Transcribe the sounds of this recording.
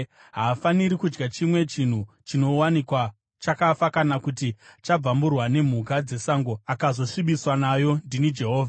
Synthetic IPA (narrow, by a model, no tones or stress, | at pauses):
ɦaːfaniɾikud͡ʒɡat͡ʃimwe̞t͡ʃin̤u | t͡ʃino̞wanikwa | t͡ʃakafakanakutit͡ʃab͡vamburwane̞m̤ukad͡ze̞saŋɡo̞akazo̞ʂiɓiswanajo̞ndinid͡ʒe̞ɦo̞ːvʱa